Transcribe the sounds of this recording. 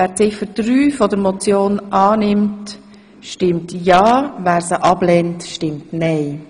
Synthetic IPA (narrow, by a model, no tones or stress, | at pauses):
æːɾt͡sɪfəɾd̥ɾyːfɔdəɾmɔt͡sjoːnʔɑːnɪmt | ʃtɪmtjɑːvæːɾsəʔɑblɛntʃtɪmtnɛɪ